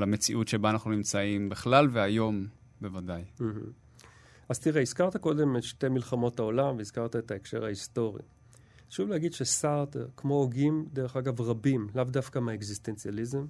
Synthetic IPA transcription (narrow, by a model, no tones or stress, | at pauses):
lamet͡siʔutʃebanaχnunimt͡saimbeχlalveajo̞m | bevadajm̩ɦm̩ | az̥t̪iʁeizkaʁt̪ako̞de̞metʃte̞milχamo̞tao̞lamveizkaʁtaetaekʃe̞̰ʁhaisto̞ʁḭ | ʃuvleaɡid̪ʃesaʁt̪ekmo̞oɡimdeʁe̞χaɡavʁabimlavdafkameekziste̞nt͡sializem